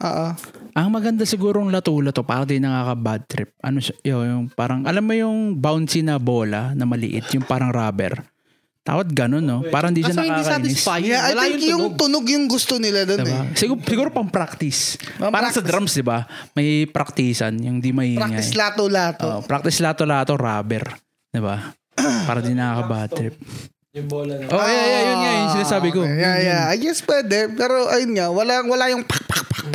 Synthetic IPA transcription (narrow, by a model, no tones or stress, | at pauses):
ʔo̰ʔoʔɐŋmɐɡɐnd̪asɪɡuːɾoŋlɐt̪uːlɐt̪o̞paːɾɐŋd̪ɪjnɐŋaːkɐbad̪̚t̪ɾɪp̚ʔɐ̰noʃaʔojʊŋpaːɾɐŋʔɐlamːojʊŋbawnsinɐbo̞ːlɐnɐmɐlɪ̰ʔɪ̰t̪jʊŋpaːɾɐŋɾaːbɛ̰ɾ | t̪a̰ːwɐt̪̚ɡɐno̞nːo̞paːɾɐhɪnd̪iːʃɐnɐɪakɐnɪajlɪŋjʊŋt̪ʊnoɡjʊŋɡʊst̪onɪlad̪od̪ɪnɛbsɪɡusɪɡuːɾopɐŋpɾak̚t̪ɪsɐpaːɾɐsɐd̪ɾamsd̪ɪbamɐjpɾɐk̚t̪iːsɐ̰njʊŋd̪imɐʔiːɾakŋaɪjslaːt̪olaːt̪oʔpɾak̚t̪ɪslaːt̪olaːt̪oɾaːbɛɾ | d̪̥ɪba | paːɾɐd̪ɪnːɐkakɐbat̪ɾɪp̚ | ʔojajajʊnŋajʊnsɪnasaːbɪkojajaɐɡɛspwɛːd̪ɛpɛːɾoʔɐjʊnŋawɐlaŋwɐlajʊŋpɐpḁkpḁk̚p